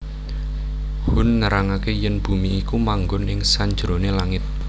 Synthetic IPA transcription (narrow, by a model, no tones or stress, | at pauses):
hʊnːəɾaŋakejənb̥ṳmiːkumaŋɡʊnɪŋsaɲd͡ʒɾonelaŋɪt̪̚